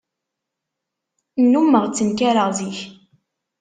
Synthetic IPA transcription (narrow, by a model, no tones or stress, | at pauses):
nːumːəʁt͡sːənkaɾəʁðiç